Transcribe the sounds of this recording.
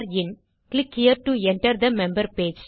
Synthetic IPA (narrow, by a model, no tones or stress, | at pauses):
ɾɪ̃n | klɪkhiəɾʈuɛ̃ɳʈəɾd̪əmɛ̃mbəɾpeːd͡ʒ